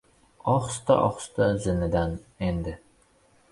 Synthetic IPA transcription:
ɒχst̪ɑ̰ʔɒ̰χst̪ɑzɪnːɪd̪ænend̪ɪ

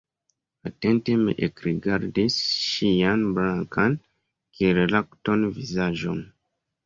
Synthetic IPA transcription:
atentemḭʔekɾiɡaɾdisʃianbɾaŋkan | kieɾelakto̞nvizaʒo̰n

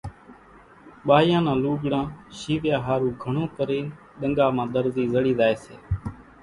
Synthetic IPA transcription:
ɓaːjãːnãːluːɡɽãːʃiːʋjãːɦaːɾuːɡʱəɳõːk̪əɾiːn | ɗəŋɡaːmãːɗ̪əɾziːzəɽiːzaːeːsḛː

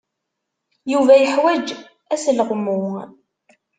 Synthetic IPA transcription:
juvæjəħwæd͡ʒ | æsləʁmu

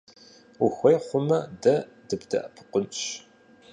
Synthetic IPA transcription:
ʊxʷɐjχʷʊmɐdɐ | dɨbdɐ̰ʔɐpʰɨ̥qʷʊnɕ

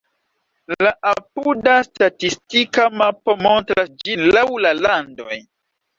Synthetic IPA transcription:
laʔapudastatistikamapo̞montɾasd͡ʒilawlalando̰j

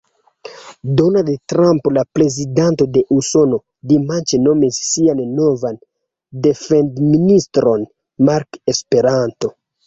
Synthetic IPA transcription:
do̞naldtɾamplapɾe̞zidanto̞de̞ʔuso̞no̞ | dimant͡ʃeno̞misːianːo̞van | de̞fe̞ndministɾo̞n | maɾke̞spe̞ɾanto̞

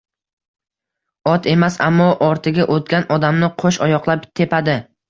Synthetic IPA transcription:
ɒt̪ʰe̞masa̰mːɒʔɒɾt̪ʰɪɡʲaʔot̪̚ɡʲanɒd̪amnɪqʰoʃɒjɒqlˠapt̪ʰe̞pʰad̪ɪ

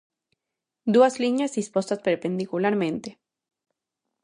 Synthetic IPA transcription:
d̪uazliɲazd̪ispost̪aspeɾpend̪ikulaɾmẽnt̪e

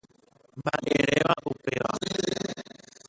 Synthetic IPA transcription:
mbaʔeɾeʋaʔupeʋa̰

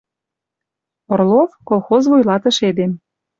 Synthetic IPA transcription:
orlofkolˠxozvojlɑt̪ə̆ʃed̪em

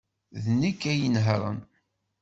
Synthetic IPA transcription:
ðnəkːæjənɦɾˤə̰n

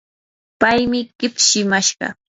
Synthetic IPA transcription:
pajmɪɢ̥ɪpʃɪmaʃɢɑ̰

